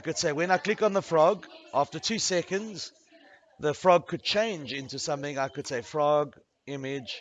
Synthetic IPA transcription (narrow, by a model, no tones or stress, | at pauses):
aɪkɨd̥seɪwɨ̃naɪkʰl̥ɪkə̃nðəfɹɔɡʔæftətʰʉsɛkə̃ndz̥ | ðəfɹɔɡ̚kʰɨd̚t͡ʃʰẽɪ̃nd͡ʒɪ̃ntusʌ̃mθɪ̃ŋaɪkɨd̥seɪfɹɔɡ | ɪmɪd͡ʒʒ̥